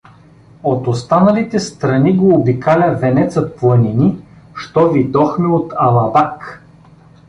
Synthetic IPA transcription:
ot̪ost̪anɐlit̪ɛst̪ɾɐniɡoːbikalʲɐvɛnɛt̪sət̪̚plˠɐnini | ʃt̪ɔvid̪ɔxmɛot̪ɐlˠɐbak

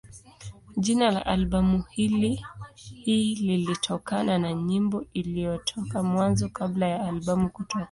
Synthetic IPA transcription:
ʄinala̰ʔalɓamuhilihiːlilitʰɔkananaɲimbɔilijɔtʰɔkamwanzɔkablajaːlɓamukutɔkḁ

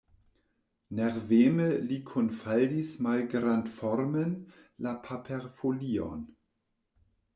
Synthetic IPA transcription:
nɛʁveːməlikʰɔnfaldismalɡʁantfɔʁmənlapʰapʰɛʁfoliːɔ̰n

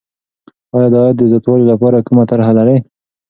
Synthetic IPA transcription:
ɑjɑd̪ɑjɑd̪ːəzat̪wɑlolapɑɾakumat̪aɾɦalaɾe

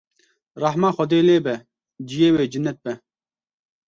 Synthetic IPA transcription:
ɾɑħmaːxɔd̪eːleːbɛ | d͡ʒijeːweːd͡ʒɨnːɛt̪̚bɛ

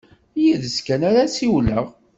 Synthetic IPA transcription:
jiðəskænaɾasiwləʁ

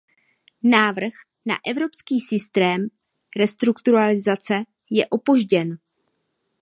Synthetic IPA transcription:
naːvr̩x | na̰ʔɛvɾo̞pskiːsɪst̪ɾɛːm | ɾɛst̪ɾukt̪uɾalɪzat͡sɛ | jɛʔo̞po̞ʒɟɛn

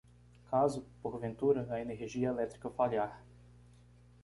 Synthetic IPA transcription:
kazʊpoɾvẽnt̪uɾɐvɐeneɦʒiɐelɛt̪ɾikɐfaljaɾ

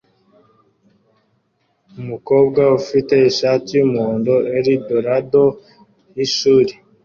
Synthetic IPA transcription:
umuko̞ːbɡaufite̞iʃaːtijumoːndoeɾidoɾado̞ | iʃuɾi

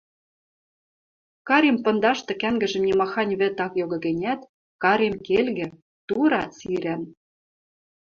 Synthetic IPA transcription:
kɑɾʲempɤ̆nd̪ɑʃt̪ɤ̆kæŋɡɘ̆ʒɘ̆mnʲimɑxɑnʲβɘ̆t̪ɑkjoɣɤ̆ɣɘ̆nʲæt̪ | kɑɾʲemkelɣɘ̆ | t̪uɾɑt͡siɾæn

